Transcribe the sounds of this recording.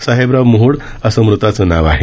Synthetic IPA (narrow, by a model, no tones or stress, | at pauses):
saɦebɾaʋmuɦuɽ | əsəmɾut̪at͡sənaʋaɦe